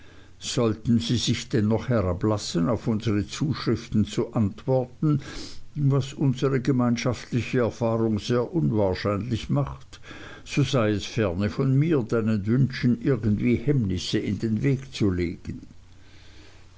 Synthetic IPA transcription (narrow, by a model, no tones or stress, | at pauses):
z̥ɔltn̩ziːzɪçd̥ɛnːɔχhɛʁablasənaʊfʊnzəʁət͡suːʃʁ̥ɪftn̩t͡suʔantv̥ɔɐtn̩ | vasʔʊnzəʁəɡəmaɪnʃaftlɪçəɛɐfaːʁʊŋz̥eːɐʔʊnvaːɐʃaɪnlɪçmaχt | z̥ozaɪɛsfɛɐnəfɔnmiːɐdaɪnənvʏnʃn̩ʔɪɐɡən̩dv̥iːhɛmnɪsəɪndeːnveːkt͡suleːɡ̥ən